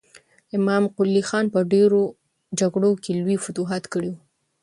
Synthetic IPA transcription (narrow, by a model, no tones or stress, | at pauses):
ɪmɑmqʊlːixɑnpəɖeɾo | d͡ʒaɡɽokelwifʊt̪uɦat̪kəɽewu